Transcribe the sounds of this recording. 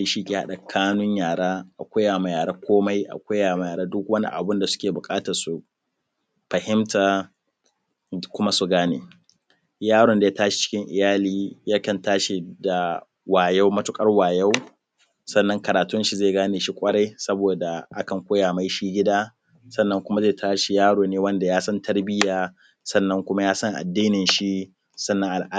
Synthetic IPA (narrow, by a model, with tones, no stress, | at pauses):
i˨ʃi˦kʲeː˨ha̰˦ɗa˨kʰaː˦nʊ˦ɲjaː˨ɽaː˦ʔa̰˨kʷaː˦jaː˨ma˨jaː˨ɾaː˦kʷʰoː˦ma˦jʔa̰˨kʷa˦jjaː˨ma˨jaː˨ɽaː˦dʊ˦kwɐ˦nḭ˦ʔa̰˨bʊ˦nda˨sʊ̥˦kʲeː˨bʊ˨kʼaː˦ta˨su˨ | ɸɐ˨hɪ˦mtaː˨ | kʷʊ˦ma˦su˨ɡaː˦neː˨ | jaː˦ɽɔ˨nda˨ja˦taː˦ʃi̥˨t͡ʃɪ̥˦kʲɪ˦ŋʔɪ̰˨jaː˦liː˦ja˦kɐ˨ntaː˦ʃi˨da˨ | waː˨ja˦wmɐ˦tʊ˦kʼɐ˦rwaː˨ja˦w | sɐ˦˨nːɐ˦ŋkɐ˨ɾaː˨tʊ˦nʃi˨zeː˦˨ɡaː˦neː˨ʃi˦kʷʼɐ˦ɽa˦jsɐ˦boː˨da˨ʔa˦kɐ˨ŋkʷoː˦jaː˨ma˦jʃiː˦ɡʲɪ˦daː˦ | sɐ˦nːɐ˦ŋkʷʊ˦ma˦zeː˦˨tʰaː˦ʃi˨jaː˦ɽoː˨neː˦wɐ˦nda˨jaː˦sɐ˦ntɐ˦rbɪ˦jaː˨ | sɐ˦˨nːɐ˦ŋkʷʊ˦ma˦jaː˦sɐ˦ŋʔa̰˨dːiː˦nɪ˨nʃi˦ | sɐ˦˨nːɐ˦ʔa˨ʔa˦